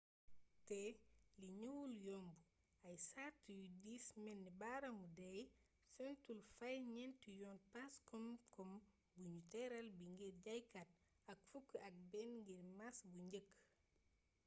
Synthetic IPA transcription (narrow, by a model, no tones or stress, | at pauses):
tɛliɲuwuljɔmbu | ɐjsatːjudiːsmɛnːibaɾɐmudɛj | sɛntulfajɲɛntujɔːnpaskɔmkɔm | buɲutɛɾɐlbiŋɡirɟajkat̚ | ɐk̚fukːɐk̚bɛnŋɡiɾmasbuɲɟək